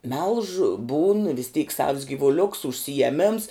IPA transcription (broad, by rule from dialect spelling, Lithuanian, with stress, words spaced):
mʲɛlˠʃ buːn ʋʲɪs tʲiːk sɐws ɡʲiːʋʊˈlʲʊks ʊʃʲsʲɪjɛˈmʲɪms